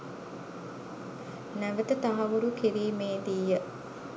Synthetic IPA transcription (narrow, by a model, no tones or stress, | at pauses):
næʋət̪ət̪aɦɐʋuɾukiɾiːmeːd̪ijə